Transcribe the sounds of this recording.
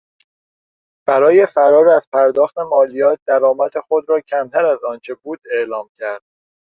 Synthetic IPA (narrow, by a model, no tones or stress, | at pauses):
b̥æɾɒːje̞fæɾɒːɾæz̥pʰæɾd̪ɒːxt̪e̞mɒːlijɒːt̪̚d̪æɾɒːmæt̪ʰexod̪ɾɒːcʰæmt̪ʰæɾæzɒːnt͡ʃʰe̞buːd̪̥e̞ʔlɒːmcʰæɾd̪̥̚